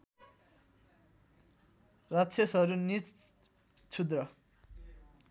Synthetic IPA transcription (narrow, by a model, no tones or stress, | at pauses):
rʌt͡sʰesʌɾunit͡s | t͡sʰud̪rʌ